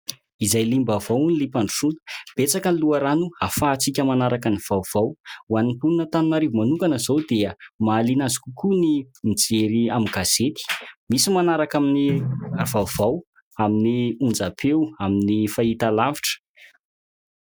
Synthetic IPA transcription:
izajlimbavawunilipaɳɖ͡ʐusunə̥b̥et͡sakənluaɾanuafaːt͡sikʲəmanaɾakəniv̥awv̥awwanipulunət̪anunaɾevumanuŋkanəzawd̪eəmaːlinazi̥kʲukunimid͡zeɾiamiɡ̥az̥et̪i̥misimanaɾakaminiav̥awvaw | aminiund͡zapʰewaminifait̪alaviʈ͡ʂə̥

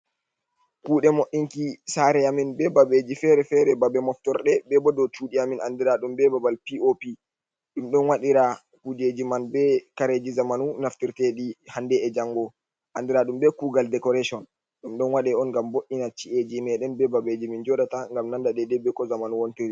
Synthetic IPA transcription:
kuːɗɛmoʔiŋkisaɾɛaminbɛbabed͡ʒifɛɾɛfɛɾɛbabɛmɔftɔɾɗɛbɛbɔdɔt͡ʃuːɗiaminʔandiɾaɗumbɛbabalpiopi | ɗumɗɔnwaɗiɾa | kud͡ʒed͡ʒimanbɛkaɾed͡ʒizamanunaftiɾtɛɗihandɛːd͡ʒaŋɡɔ | ʔandiɾaɗumbɛkuːɡaldɛkɔɾaʃɔn | ɗumɗɔnwaɗɛɔnɡamboʔinat͡ʃiʔed͡ʒimɛɗɛnbɛbabed͡ʒimind͡ʒɔɗataŋɡamnandadɛdɛbːɛkɔzamanuwɔnteɾi

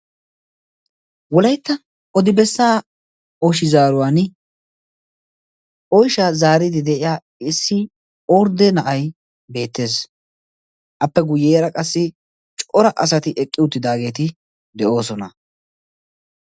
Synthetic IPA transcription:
wɔlɐjt̪ːɐ | ɔd̪ɪbɛsːaː | ɔʃɪzaːɾʊwaːn | ʔɔjʃɐzaːɾɪd̪ɪd̪ɛʔɪjaː | ɪsːɪ | ɔɾd̪ɛnɐʔɐj | be̞ːt̪ːe̞ːs | ʔɐpːɛɡʊjːeːɾɐkʼɐsːɪ | t͡ʃʼɔɾɐʔɐsɐt̪ɪʔɛkʼːɪʊt̪ːɪd̪aːɡe̞ːt̪ɪ | d̪ɛʔo̞ːsɔnɐ

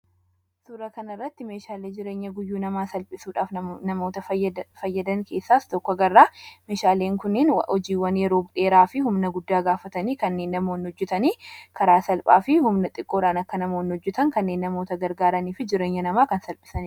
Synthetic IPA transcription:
suːɾɐkɐnɐrːɐt̪ːɪme̞ːʃaːleːd͡ʒɪɾe̞ːɲːɐɡʊjːuːnɐmaːsɐlpʼɪsuːᶑaːfnɐmo̞ːt̪ɐfɐjːɐd̪ɐŋkʰe̞ːsːaːst̪ɔkːɔɡɐrːaːme̞ːʃaːle̞ːŋkʊnːɪnɔd͡ʒiːwːɐnjɛɾo̞ːbʊᶑe̞ːɾaːfɪhʊmnɐɡʊd̪ːaːɡaːfɐt̪ɐniːkɐnːe̞ːnːɐmoːnhɔd͡ʒːɛt̪ɐniːkʰɐɾaːsɐlpʼa̰ːfɪhʊmnɐt̪ʼɪkʼːoːᶑaːnɐkːɐnɐmoːnhɔd͡ʒːɛt̪ɐŋkɐnːe̞ːnːɐmoːt̪ɐɡɐɾɡaːɾɐniːfɪd͡ʒɪɾe̞ːɲːɐnɐmaːkɐnsɐlpʼɪ̥sɐnɪ

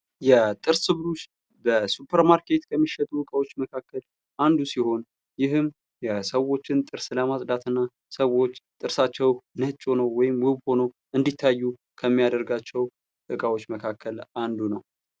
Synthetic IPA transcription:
jɛt̪ʼɨɾsɨβɾuʃ | bəsupʰəɾmaɾkʰe̞t̪kʰəmːiʃːɛt̪ʼuɨkʼawo̞t͡ʃːməkʰakːəl | ʔand̪usiho̞n | jɪɦɨm | jɛsəwo̞t͡ʃːɪnt̪ʼɨɾsləmasʼd̪at̪ʰɨnːa | səwo̞t͡ʃːt̪ʼɨɾsat͡ʃːɛwnət͡ʃʼːo̞nəwːɔjɪmwʊβho̞nəw | ʔɨnd̪it̪ʰːajːu | kʰəmːijad̪əɾɡat͡ʃːɛw | ʔɨkʼawo̞t͡ʃːməkʰakʰːəlʔand̪unəw

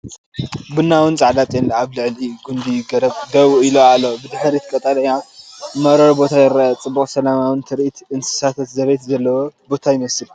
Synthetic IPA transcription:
bɨnːawɨnt͡sʼaʕd̪at̪ʼjɛnaβlɨʕlɨjuɡund̪iɡɐɾɐβd̪ɐβiloalːobɨd̪ɨħɾit̪ʰkʼɐt̪ʼɐlɐjamɐɾɐɾbo̞t̪ʰajɪɾːaat͡sʼɨbːuχʼsɐlamawɨnt̪ʰɨɾʔit̪ɨnsɨ̥sat̪ʰɐt̪zɐβejt̪zɐlːɐwo̞bo̞t̪ʰajɪmɐsɨl

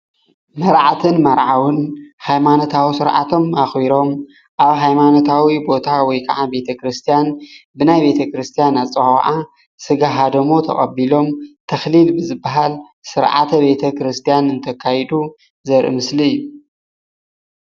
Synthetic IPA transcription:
mɐɾʕat̪ʰɨnmɐɾʕawɨnhajmanot̪ʰawisɨɾʕa̰t̪ʰo̞maxwiɾo̞m | ʔaβɦajmano̞t̪ʰawibo̞t̪ʰawɔjkʰɐʕabe̞t̪ʰɐkɾɨst̪ʰijanbɨnajbe̞t̪ʰɐkɾɨst̪ʰijanat͡sʼɐxʕa | sɨɡaɦad̪ɐmo̞t̪ʰɐ̰xʼɐ̰bilo̞mt̪ʰɐxlilbɨzɨbːaɦal | sɨɾʕa̰t̪ʰɐbe̞t̪ʰɐkɾɨst̪ʰijanɨnt̪ʰɐkʰːajd̪u | zɐɾʔɨ̰mɨsliɨjːu

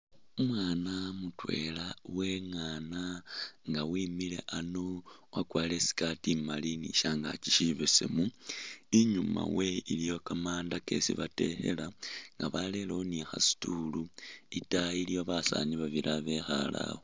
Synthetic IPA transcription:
umwaːnamutwe̞̰laweŋaːnaŋɡawiːmile̞̰ʔano̞wakwaːle̞si̥katimaliniʃaŋɡa̰ciʃiβesḛmuiɲuma̰we̞ilijo̞kamaːndake̞̰sḭβate̞he̞̰laŋɡaβale̞lonixa̰si̥tuluitailijo̞βasa̰niβaβiɾʔaβexala̰ho

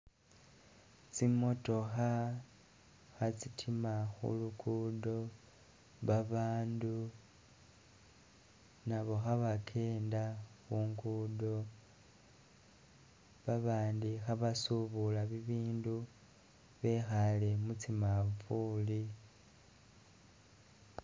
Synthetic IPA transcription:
t͡simo̞to̞xa | xat͡sitʰimaxṵlukudo̞ | βaβaːndu | naβo̞xaβakʰe̞ːndaxuːŋɡudo̞ | βaβaːndixaβasuβulaβiβiːndu | βe̞xale̞mut͡simafuli

